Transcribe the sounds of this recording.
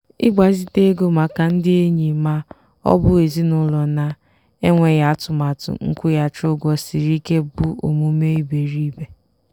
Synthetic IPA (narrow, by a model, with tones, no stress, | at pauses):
ɪ˦ɡ͡ba˨˦zi˦˨te˦ɡo˦ma˨ka˨n̩˦dɪ˦e˦ɲi˨ma˦ | ɔ̰˦bʊ˦e˨zi˦nʊ˦lɔ˨na˦ | e˦ŋʷe˨ja˨a˦tʊ˨ma˨tʊ̰˨ŋ̩˦kʷʊ˦ja˨t͡ʃʊ˦ɡɔ˦si˨ɾi˦ke˦bʊ˦o̰˨mu˦me˦i˦be˨ɾi˦be˨